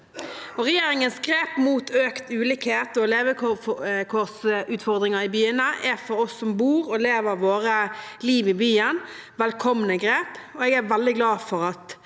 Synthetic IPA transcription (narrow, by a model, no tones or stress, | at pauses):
ɔɾɛjeːɾɪŋənsɡɾeːpmuːt̪ʰøːkt̪ʉːlɪkheːt̪ɔleːʋəkkʰɔsʉːt̪fɔɾd̪ɾɪŋɑɾɪbyːənəʔæfɔɾɔsːɔmbuːɾɔleːʋəɾʋoːɾəliːʋɪbyːən | ʋɛlkʰɔmnəɡɾeːpɔɛɡæɾʋɛld̪ɪɡlɑːfɔɾɑt̪